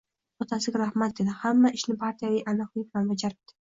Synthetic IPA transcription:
ɒt̪ʰasɪɡʲaɾahmat̪̚d̪e̞d̪ɪhamːaɪʃnɪpʰaɾt̪ʰijavijʔalɒhibɪlanvad͡ʒaɾɪb̚d̪̥ɪ̥

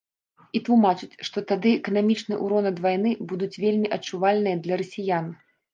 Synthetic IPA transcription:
it̪lˠumat͡ʂɨt͡sʲʂt̪ɔt̪ad̪ɨɛkɐnamʲit͡ʂnɨjʔṵɾɔnɐd̪vajnɨbud̪ut͡sʲvʲelʲmʲiʔɐt͡ʂuvalʲnɨjɐd̪lʲɐɾɐsʲijan

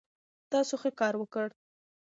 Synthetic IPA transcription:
t̪ɑsoxekɑɾwəkəɽ

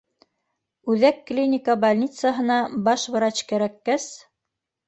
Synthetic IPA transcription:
ʉðækːlʲinʲɪkabalʲnʲit̪səɦɤ̆nɑbɑʃβɤ̆ɾɑt͡ɕkæɾækːæs

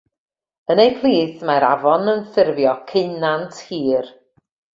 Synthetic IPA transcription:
ənejpʰlˠiːθmaɾa̰vɔnənθɪrvjɔkʰɪnantʰhiːr

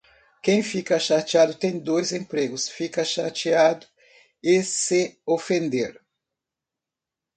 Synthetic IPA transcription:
kẽj̃fikɐʃat͡ʃiad̪ʊt̪ẽj̃d̪ojzẽmpɾeɡʊsfikɐʃat͡ʃiad̪ʊ | ɪsɪofẽnd̪eɾ

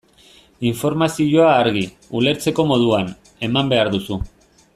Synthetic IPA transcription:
iɱfo̞ɾmasiʝoaːɾɣ̞i | ule̞ɾt͡se̞ko̞mo̞ð̞uan | e̞mambe̞aɾðusu

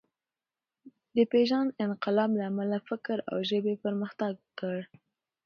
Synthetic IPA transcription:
d̪əpeʒanɪnqɪlɑblaːmalafɪkɾa̰wʒəbepəɾməxt̪aɡːəɽ

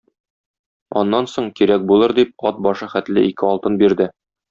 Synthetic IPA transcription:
ɒ̰nːɑnsoɴkiɾæk̚bulˠɤɾd̪ip̚ɒt̪̚bɒʃɤχæt̪lɘikɘɒlˠt̪ɤnbiɾd̪ɘ

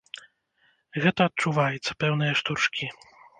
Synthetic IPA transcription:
ɣɛt̪ɐːt̪̚t͡ʂuvajɛt̪sɐ̥pɛwnɨjɛʂt̪urʂkʲi

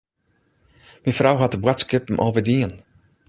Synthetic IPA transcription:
minfrawɦat̚əbwatskɪpəmʔoːvədiən

